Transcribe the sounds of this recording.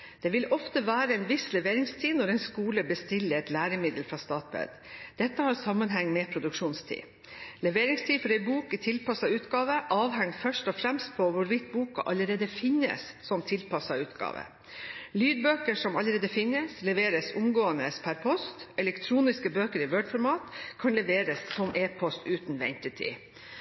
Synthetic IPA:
d̪̥ɛːʋɪlɔft̪əʋæːɾəɛnʋɪslɛʋeːɾɪŋst̪ʰiːnɔɾɛɪnskuːləbəst̪ɪlːəɾɛt̪læːɾəmɪd̪əlfɾɑst̪ɑːt̪̚bɛ̰d̪ | d̪̥ɛt̪ːəhɑːɾsɑmːənɦɛŋːmɛpʰɾʊd̪ʉkʂuːnst̪ʰḭː | lɛʋeːɾɪŋst̪ʰiːfɔɾɛɪbuːkɪt̪ʰɪlpɑsɑʉːt̪ɡɑːʋəʔɑːʋɦɛŋfœʂʈɔfɾɛmst̪̚pʰɔʋʊɾʋɪt̪buːkɑ̰ʔɑləɾeːd̪əfɪnːə̰s | sɔmt̪ʰɪlpʰɑsɑʉːt̪ɡɑ̰ːʋə̰ | lyːd̪̚bøːkəʂɔmɑləɾeːd̪əfɪnəslɛʋeːɾəsʊmɡoːənəspʰæɾpʰɔst̪ɛlɛkt̪ʰɾuːnɪskəbøːkəɾɪʋøːɖfɔɾmɑːt̪kʰɑnlɛʋeːɾəsːɔmʔeːpʰɔst̪ʉːt̪n̩ʋɛ̰nt̪ɪt̪ʰɪ̰

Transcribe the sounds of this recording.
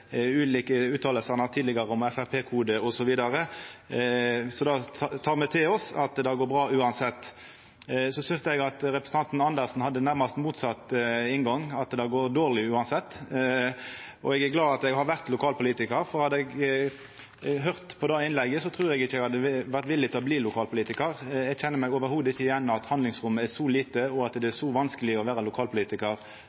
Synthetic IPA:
ʉːliːkəʉːt̪ʰɑːləlsəʁnɑʁt̪ʰiːd̪lɪɡɑʁəɔmɛfæʁpʰeːkʰuːd̪əɔsɔʋiːd̪ɑɾə | sɔd̪ɑt̪ʰɑːʁmɛt̪ʰɪlɔsɑt̪d̪ɑɡoːɾbʁɑːʉːɑnsɛt̪ː | sɔsʏnsɛɡɑt̪ʁɛpɾəsən̩ɑnt̪nɑnd̪əʁsn̩hɑd̪ːənæʁmɑst̪muːt̪sɑt̪ɪnɡɑŋɑt̪d̪ɑɡoːɾd̪oːʁlɪʉːɑnsɛt̪ː | ʔɔ̰ɛɡæɡlɑːd̪ɑt̪ɛɡhɑɾʋæʁt̪lʊkʰɑːlpʊliːt̪ɪkəɾfɔʁhɑd̪əɛɡ | ɦøʁt̪pʰɔd̪ɑɪnlɛɡːəsɔt̪ʰʁʉːɾɛɡɪçːəɛɡhɑd̪ːəʋæʁt̪ʋɪlːɪt̪ɪlɔbliːlʊkʰɑːlpʊliːt̪ɪkəʁɛɡçɛnːəɾmɛɡoːʋəɾhuːd̪ɪçːəjɛnːɑt̪hɑnd̪lɪŋsʁʊmːəæʁʂɔliːt̪əɔɑt̪d̪ɛæʂɔʋɑnskəlɪɔʋæːɾəlʊkʰɑːlpʰʊliːt̪ɪkəʁ

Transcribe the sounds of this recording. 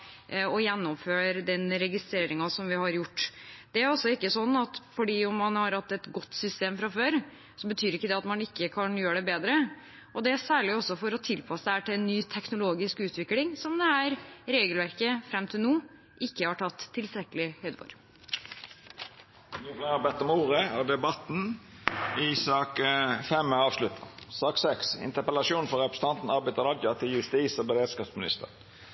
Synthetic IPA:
ɔjɛnːɔmføːɾd̪ɛnɾɛɡɪst̪ɾeːɾɪŋɑsɔmʋɪhɑɾjʊʈːd̪̥ɛæɾɔsːɔɪkːəsɔnːɑt̪fɔɖiːɔmːɑnhɑɾhɑt̪ːɛt̪ɡɔt̪ːsʏst̪eːmfɾɑføːɾ | sɔbət̪ʰyːɾɪkːəd̪ɛɑt̪mɑnɪkːəkʰɑnjøːəɖɛbeːd̪ɾə | ʔɔd̪ɛæsæːɭɪɔsːɔfɔɾɔt̪ʰɪlpʰɑsəd̪ɛhæːʈɪlɛnːyːt̪ʰɛknʊloːɡɪskʉːt̪ʋɪklɪŋsɔmd̪ɛhæːɾɾeːɡəlʋæɾkəfɾɛmt̪ʰɪlnuː | ʔɪkːəhɑːʈʰɑt̪ʰːɪlst̪ɾɛkəlɪhœʏd̪ʋo̰ːɾ | nyflɛɑɾbɛt̪ːɔmoːʁəæd̪ɛbɑt̪n̩ | ɪsɑːkfɛmːɑːʋslʉt̪ʰːɑ̰sɑːksɛksɪ̰nt̪əpəlɑʃuːnfɔɾʁɛpɾəsnɑnt̪n̩ɑɾbæɪt̪əʁɑɡ̪jɑt̪ʰɪljʉst̪iːsɔbɛɾeːd̪skɑːpsmɪnɪ̰st̪ə̰ʁn

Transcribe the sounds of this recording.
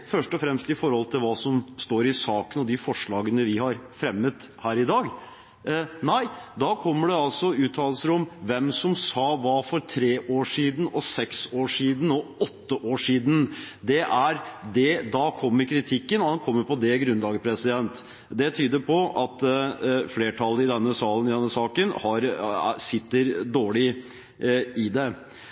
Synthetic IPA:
fœʂʈɔfɾɛmst̪ɪfɔɾhɔlt̪ʰɪlʋɑːsɔmst̪oːɾɪsɑːkənɔd̪ɪfɔʂɭɑːɡənəʋɪhɑɾfɾɛmːət̪ | hæːɾɪd̪ɑːɡ | næɪd̪ɑːkʰɔmːəɖɛɑlsɔʉːt̪ʰːɑːləlsəɾɔmʋɛmsɔmsɑːʋɑfɔɾt̪ʰɾeːʔoːʂiːd̪n̩ɔsɛksoːʂiːd̪n̩ɔɔt̪ːəʔoːʂiːd̪n̩d̪ɛʔæɾd̪ɛd̪ɑkʰɔmːəɾkʰɾɪt̪ʰɪkːənɔɑnkʰɔmːəɾpʰɔd̪ɛɡɾʉnlɑːɡəpʰɾɛsɪd̪ɛnt̪ | d̪ɛt̪ʰyːd̪əɾpʰɔɑt̪fleːʈʰɑlːəɪd̪ɛnːəsɑːlənɪd̪ɛnːəsɑːkənhɑɾsɪt̪ːəɾd̪oːɭɪ | ɪd̪ɛ

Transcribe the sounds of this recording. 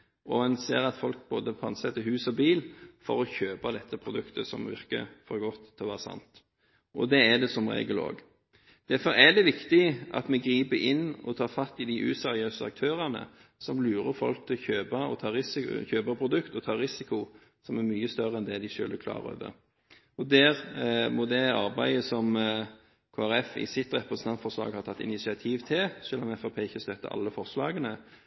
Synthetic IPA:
ʔɔɛnseːɾɑt̪fɔlk̚boːd̪əpʰɔɑnsɛt̪ːəɦʉːsɔbiːlfɔɾɔçøːpɑd̪ɛt̪ʰːəpʰɾʊd̪ʉkt̪əsɔ̰mʋɪ̰ʁkə̰fɔɾɡɔt̪ːʰɔʋæːʁsɑ̰nt̪ | ʔɔd̪ɛæd̪ɛsɔmɾḛːɡəlo̰ːɡ | d̪̥æɾfɔɾæd̪ɛʋɪkt̪ɪʔɑ̰t̪mɛɡɾiːbəʔɪnːɔ̰t̪ʰɑːfɑt̪ːɪd̪ɪʔʉ̰sɛɾɪøːsəɑ̰k̚t̪ʰøːɾənə̰sɔmlʉːɾəfɔ̰lk̚t̪ʰɪlçøːbɑɔ̰t̪ʰɑːɾɪsɪçøːbəɾpʰɾʊd̪ʉkt̪ɔt̪ʰɑːɾɪsɪkʊ | sɔmæɾmyːəst̪œʁəɛnd̪ɛd̪æɪʃø̰ːləkʰlɑ̰ːɾo̰ːʋə̰ɾ | ɔd̪æːʁmɔd̪ɛɑɾbæɪəsɔm | kʰoːæɾɛfɪ̰sɪt̪ʁɛpɾɛsənɑnfɔɾslɑ̰ːɡhɑɾt̪ʰɑt̪ːɪ̰nɪsɪɑt̪ʰiːʋt̪ʰɪlsœlːɔmɛfɑpʰeːɪçəst̪œt̪ːə̰ʔɑ̰lːəfɔʁslɑːɡənə

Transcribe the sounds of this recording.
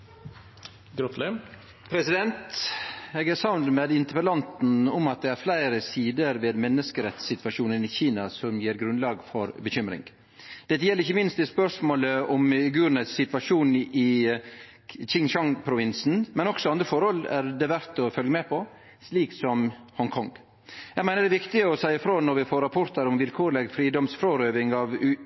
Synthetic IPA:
ɡɾɔt̪ʰlɛ | pʰɾɛsɪd̪ɛnt̪ | eːɡæɾsɑʋnmed̪ɪnt̪əɾpəlɑnt̪n̩ʊmɑt̪̚d̪ɛæɾflæɪɾəsiːd̪əɾʋeːd̪mɛnːəskəɾɛt̪sɪt̪ʋɑʂuːnənɪçiːnɑsɔmjiːɾɡɾʉnd̪lɑːɡfɔɾbəçʏmɾɪ̰ŋ | d̪̥ɛt̪ːəjɛlːəɾɪçːəmɪnst̪ɛspœɾʂmoːləʔɔmɡʉːɾnəsːɪt̪ʋɑʂuːnɪ | çɪŋʃɑŋpʰɾʊʋɪnsn̩mɛnɔksɔɑnd̪ɾəfɔɾhɔlæɾd̪ɛʋæɾt̪ɔfœlɡəmɛpʰɔ | sliːksɔmhɔŋkʰɔŋ | jɛɡmæɪnəɖɛʋɪkt̪ɪəɔsæɪɪfɾoːnɔɾʋɪfoːɾɑpʰɔɾt̪ʰəɾɔmʋɪlkʰoːɾlɛɡfɾiːd̪ɔmsfɾoːɾøːʋɪŋɑʋ

